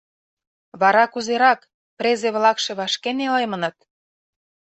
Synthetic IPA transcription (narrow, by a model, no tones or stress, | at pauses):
βɑɾɑkuzeɾɑk | pɾezeβlɑkʃe̽βɑʃkenelemə̆nɤ̆t̪̚